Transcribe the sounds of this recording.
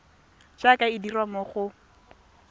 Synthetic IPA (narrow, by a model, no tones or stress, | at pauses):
d͡ʒakaɪdiramɔχʊ